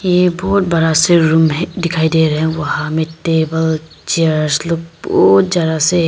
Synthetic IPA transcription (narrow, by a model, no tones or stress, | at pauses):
jebɔːt̪̚bɐɾaseɾumɦd̪ɪkʰaːid̪eɾɐɦɛ̃ʋɐɦãmẽʈeːbəl | t͡ʃieaəɾɾsloːɡ̚bɔt̪d͡ʒad̪ase